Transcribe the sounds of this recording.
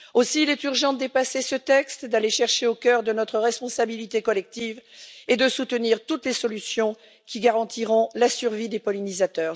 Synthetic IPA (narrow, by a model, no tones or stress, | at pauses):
osiːlɛt̪yʁʒɑ̃d̪əd̪epasesət̪ɛkst̪d̪aleʃɛʁʃeokʲœʁd̪ənɔt̪χəʁɛspɔ̃sabilit̪ekɔlɛk̚t̪ived̪əsut̪əniʁt̪ut̪lesɔlysjɔ̃ | kʲiɡaʁɑ̃t̪iʁɔ̃lasyʁvid̪epɔlinizat̪œːʁ